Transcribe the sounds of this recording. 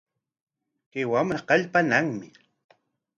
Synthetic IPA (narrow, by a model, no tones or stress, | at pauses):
kewamɾaqɑʎpanaŋmɪ